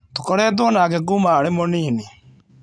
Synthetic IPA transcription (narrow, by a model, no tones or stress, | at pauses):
tokɔɾɛːdwɔnaːɡɛɡumaːɾemoniːne